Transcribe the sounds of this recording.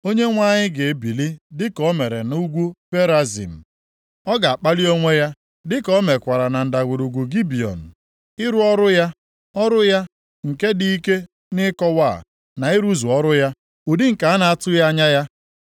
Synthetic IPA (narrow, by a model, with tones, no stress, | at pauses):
o˦ɲe˦ŋʷa˦˨ɲɪ˦ɡe˨e˨bi˨li˦dɪ˦kɔ˨˦me˨ɾe˨n˦u˦ɡʷu˦pe˦ɾa˦zḭ˨m̩˨ | ɔ˦ɡa˨a˨k͡pa˦li˦o˦ŋʷe˦ja˦ | dɪ˦kɔ˦me˨kʷa˨ɾa˨na˨n̩˨da˨ɡʷu˨ɾu˨ɡʷu˨ɡi˦bi˨ɔ̰˨n̩˨ | ɪ˦ɾu˦ɔ˦ɾʊ˦ja˦ | ɔ˦ɾʊ˦ja˦ | ŋ̩˨ke˦di˦i˦ke˦ | nɪ˦kɔ˦wa̰˦˨ | na˨i˦ɾu˦zu˨ɔ˦ɾʊ˦ja˦ | u˨di˦ŋ̩˨ka˨a˦na˨a˦tʊ˦ja˦a˦ɲa˦ja˦